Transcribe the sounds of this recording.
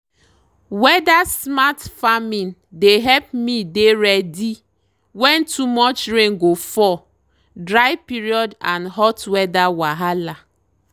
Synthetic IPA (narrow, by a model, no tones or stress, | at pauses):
wɛdasmatfamĩndeɦɛlp̚mideɾɛdi | wɛ̃ntʰumɔt͡ʃɾẽŋɡofɔ | dɾaɪpiɾiɔdãnɦɔtwɛdawaɦala